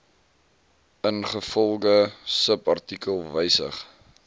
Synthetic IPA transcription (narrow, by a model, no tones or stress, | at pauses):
ənχəfɔlˠɡəsəpɐrtikəlˠvəjsə̰χ